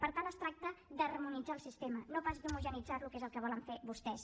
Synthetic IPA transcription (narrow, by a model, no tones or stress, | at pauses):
pəɾt̪alˠəst̪ɾak̚t̪əd̪ərmunid͡zaːlˠsist̪emənopazðumuʒənid͡zaɾlukezəlˠkəβ̞ɔləɱfeβust̪ɛs